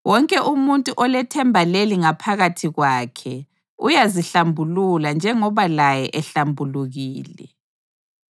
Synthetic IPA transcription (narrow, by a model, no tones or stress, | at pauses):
wɔŋkʼɛʔumuntʼuʔɔlɛtʰɛmbʱaleliŋapʰaɣatʰiɣwaːkʰɛ | ujaziɬambʱululand͡ʒʱɛŋɔβalajɛʔɛɬambʱuluɣiːlɛ̰